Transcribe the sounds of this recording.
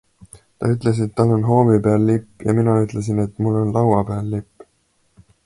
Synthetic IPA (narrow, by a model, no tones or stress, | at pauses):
t̪ɑ̰yt̪ˑle̞s̬et̪ːɑlːo̞nɦo̞ːmipeɑlːipːjɑ̰minɑyt̪ˑle̞s̬ine̞t̪ːmulːo̞nlɑwɑpeɑlːipː